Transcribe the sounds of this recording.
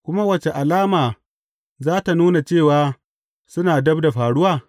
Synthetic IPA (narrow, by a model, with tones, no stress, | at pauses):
kʷʊ˦ma˦wɐ˨t͡ʃe˨ʔa˨laː˦maː˨ | zaː˦ta˨nuː˦na˨t͡ʃeː˦˨waː˦ | sʊ˦naː˨dɐ˦bda˨ɸaː˨ɽʊ˦waː˦